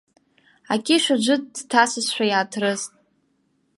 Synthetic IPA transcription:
akʲʼɪʃʷad͡ʒʷɨd̚dtʰasɨsħʷᶣajaːtʰrɨztʼ

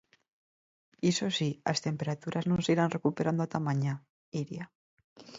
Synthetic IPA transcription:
isosia̰st̪empeɾat̪uɾʔaznõnsiɾanrekupeɾand̪oat̪amãɲa | iɾja

